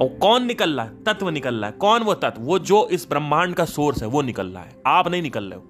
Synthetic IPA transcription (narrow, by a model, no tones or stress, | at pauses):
ɔkɔːnːɪkəlːaːɦɛt̪ɐt̪ʋənɪkəlːa̰ːɦɛkɔːnʋot̪ɐt̪ʋʋod͡ʒoːʔɪsbɾɐ̃mːaːɳkasoːɾsɦɛʋonɪkəlːa̰ːɦɛːaːpnɐɦĩnɪkəlːḛːoː